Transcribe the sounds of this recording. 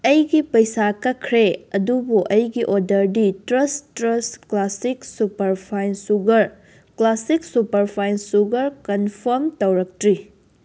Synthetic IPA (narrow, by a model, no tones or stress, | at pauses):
ɐjɡipɐjsakɐkʰɾeɐdubuʔɐjɡiʔodɐɾditɾɐstɾɐsklasiksupɐɾpʰajnsuɡɐɾ | klasiksupɐɾpʰajnsuɡɐɾkɐnpʰɐɾmtɐwɾɐk̚tɾi